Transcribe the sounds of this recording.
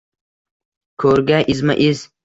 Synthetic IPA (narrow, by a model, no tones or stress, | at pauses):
kʰoɾɡaʔizmaʔiz